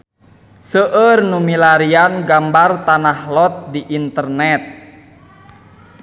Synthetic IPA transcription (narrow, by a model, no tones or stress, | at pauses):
səʔərnumilaɾianɡambart̪anahlɔt̪̚diʔint̪ərnɛt̪̚